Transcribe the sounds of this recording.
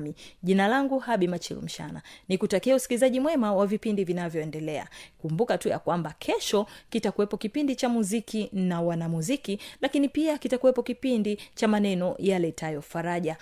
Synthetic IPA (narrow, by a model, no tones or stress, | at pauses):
miʄinalaŋɡuhaɓimat͡ʃḭlṵm̩ʃa̰na̰nikutakiɛusi̥kilizaʄimwɛmawavipindivinavjɔɛndɛlɛa̰kumbukatuja̰kwambakʰɛʃɔkitakuwɛpɔkipindit͡ʃamuzikinawanamuzikilakinipiakitakuwɛpɔkipindit͡ʃamanɛnɔjalɛtajɔfaɾaʄa